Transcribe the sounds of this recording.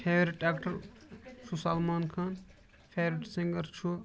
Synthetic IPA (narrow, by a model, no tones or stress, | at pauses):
pʰeːʋɾiʈɖaːkʈɐɾsusɐlmaːnkʰan | fʰeːʋɾiʈsiŋɡɐɾt͡ʃʰu